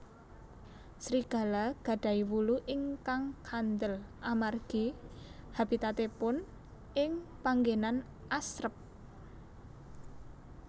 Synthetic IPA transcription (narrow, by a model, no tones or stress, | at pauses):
sɾiɡ̥a̤laɡ̥a̤ɖ̥a̤iwuluʔɪŋkaŋkʰand̪əlʔamarɡ̥ihab̥it̪at̪epʊn | ɪŋpaŋɡenan | ʔasɾəp̚